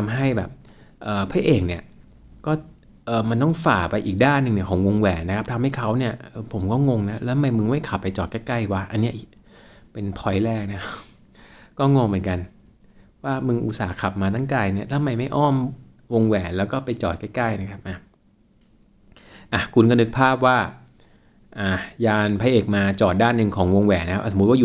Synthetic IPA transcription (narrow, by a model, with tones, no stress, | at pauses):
t̪ʰa˧mɦa˥˩jbɛ̰ː˨˩p̚ | ʔɤː˨˩pʰa˦˥˩ʔeː˨˩ŋni˥˩ɐ | kɔː˥˩ | ʔɤː˨˩ma˧nt̪ɔ˥˩ŋfaː˨˩pa˧jʔiː˨˩k̚daː˥˩nːɯ˨˧ŋni˥˩kʰːŋwo˧ŋwɛː˨˩nna˦˥kʰa˦˥p̚t̪ʰa˧mha˥˩jkʰa˦˥wni˥˩ɐʔɤː˧pʰo˨˩˦mkɔː˥˩ŋo˧ŋna˦˥lɛ˦t̪ʰa˨ma˧jmɯ˧ŋma˥˩jkʰa˨˩pːa˧jt͡ɕɔː˨˩t̪̚kɛː˥˩ka˥˩jwa˦˥ʔa˧nːi˦˥ɐʔi˨˩ | pe˧npʰɔ˧˦jlɛː˥˩k̚na˦˥k | kɔː˥˩ŋo˧ŋmɯ˩˦nka˧n | waː˥˩mɯ˧ŋʔṵ˨˩t̪̚saː˩˦kʰa˨˩p̚maː˧t̪ʰa˥˩ŋkaː˧jni˥˩ɐt̪ʰa˧˨ma˧jma˥˩jʔɔː˥˩m | wo˧ŋwɛː˨˩lɛː˦˥wkɔː˥˩pa˧jt͡ɕɔː˨˩t̪̚kaː˥˩kaː˥˩jna˦˥kʰa˦˥p̚ʔa˨˩ | ʔa˨˩kʰu˧nkɔː˥˩nɯ˦˥k̚pʰaː˥˩p̚waː˥˩ | ʔaː˨˩jaː˧npʰa˧jʔeː˨˩k̚maː˧t͡ɕɔː˨˩t̪̚daː˥˩nːɯ˨˧ŋkʰɔː˩˦ŋwo˧ŋwɛː˨˩na˦˥kʰʔa˧˩so˨˦˥t̪̚waː˥˨u˨˩